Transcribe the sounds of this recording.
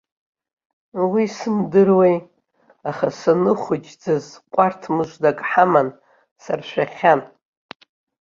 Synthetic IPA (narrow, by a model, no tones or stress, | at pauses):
wisɨmdɨrwej | aχasanɨχʷʊd͡ʒd͡zazqʷʼartʰmɨʒʷdakʼħaman | sarʃʷᶣaχʲan